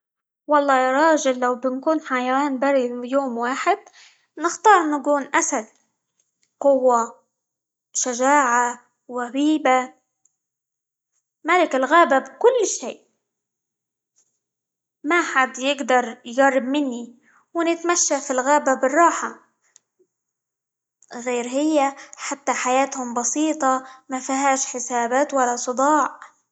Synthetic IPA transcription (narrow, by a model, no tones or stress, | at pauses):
wɑlˤːɑːjɑɾˤɑːʒɪllawbɪnkuːnħajawaːnbaɾˤijoːmwaːħɪd̪̚ | nɪxt̪ɑːɾˤnakuːnʔasal | qʊwːa | ʃaʒaːʕa | ɣabiːba | malɪkɪlɣaːbabkʊlːʃeːʔ | maħad̪jɪɡd̪ɑɾˤjɡɑrˤːɪbmɪnːi | wɪnɪt̪maʃːafilɣaːbabɪrˤːɑːħa | ɣeːɾɦɪjːaħat̪ːaħajaːt̪hʊmbɑsiːt̪ˤɑmafaɦaːʃħɪsaːbaːt̪walːasˤɨd̪ˤɑːʕ